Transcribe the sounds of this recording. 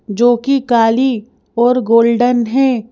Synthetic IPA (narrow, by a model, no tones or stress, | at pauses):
d͡ʒoːkikaːli | ɔːɾɡoːlɖənɦɛ̃ː